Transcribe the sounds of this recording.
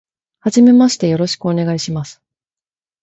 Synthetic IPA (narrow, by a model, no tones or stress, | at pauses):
had͡ʑime̞maɕi̥t̪e̞jo̞ɾo̞ɕi̥kɯo̞ne̞ɡaiɕimasɨ̥